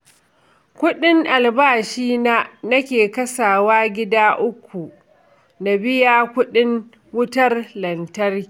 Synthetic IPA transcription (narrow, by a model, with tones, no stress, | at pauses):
kʷʊ˦ɗɪ˦ŋʔa˨lbaː˦˨ʃiː˦na˦nɐ˦kʲeː˨kɐ˦saː˨waː˦ɡʲɪ˦daː˦ʔʊ˦kʷːu˨ | na˨bɪ˦jaː˦kʷʊ˦ɗɪ˦ŋ | wʊ˦tɐ˦rlɐ˨ntɐ˦r